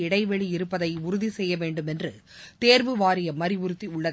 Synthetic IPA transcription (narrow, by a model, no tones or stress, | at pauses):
ɪɽɐɪʋɛɭiɪɾɯpːɐðɐɪʊɾʊðisɛjːɐʋeːɳɖɯmɛndrɯ | t̪eːɾʋɯʋaːɾɪjɐmɐɾɪʋʊɾɯt̪ːiʊɭːɐð